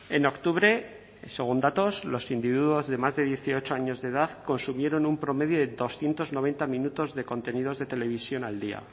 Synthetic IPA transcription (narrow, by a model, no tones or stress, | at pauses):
e̞no̞kt̪uβ̞ɾe̞ | se̞ɣ̞und̪at̪o̞slo̞sind̪iβiðuozðe̞mazðe̞ðje̞θio̞t͡ʃoaɲo̞zðeðaðko̞nsumjeɾo̞numpɾo̞me̞ðjoðeðo̞sθjent̪o̞zno̞β̞e̞nt̪amĩnut̪o̞zðe̞ko̞nt̪e̞nið̞o̞zðe̞t̪e̞le̞β̞isjo̞nald̪ia̰